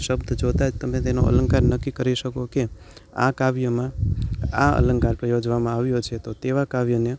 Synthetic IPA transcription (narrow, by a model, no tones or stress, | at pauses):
ʃəbd̪ʱd͡ʒot̪ad͡ʒt̪əmẽt̪eno̰ə̰ləŋkaɾnəkːikəɾiʃəkoke | a̰kaʋjəmãaə̰lə̃ŋkaɾpɾəjod͡ʒʋamãaʋjot͡ʃʰet̪ot̪eʋakaʋjəne